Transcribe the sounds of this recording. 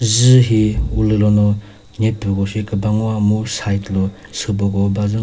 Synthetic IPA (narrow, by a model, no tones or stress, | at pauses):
zɯɦiulɯlɔnɔ | nepːɔɡɔsikɯbaŋuamusajtlɔ | sɯbɔɡɔbazɯŋ